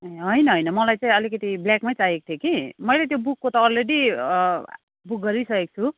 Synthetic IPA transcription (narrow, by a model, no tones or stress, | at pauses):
ɦʌjnʌɦʌjnʌmʌlajt͡saĩʌlikʌt̪ibljakmajt͡saɦeko̥t̪ʰjokimʌjlet̪̬jobukːot̪ʌːlreɽi | buk̚ɡʌɾisʌkek̚t͡sʰu